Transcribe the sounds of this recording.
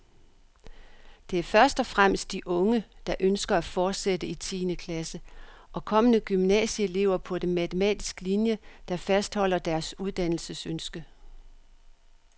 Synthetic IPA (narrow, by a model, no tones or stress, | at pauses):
d̥e̝æɐfɶɐsd̥ɒ̽fʁam̰əsd̥iʔɔ̽ŋəd̥ɑ̈ʔønsɡ̥ɐæfɒːd̥sedəit͡sʰḭːnəkʰlæsəʔɒ̽kʰɒ̽mənəɡ̥ymnɛ̰ːɕəele̝̰ʊɐpʰɒ̽d̥e̝mæt͡sʰəmɛ̰ːd̥isɡ̥linjəd̥ɑ̈fæsd̥hɒ̽l̰ɐd̥æɐsuð̞ˠd̥æn̰l̩səsønsɡ̥ə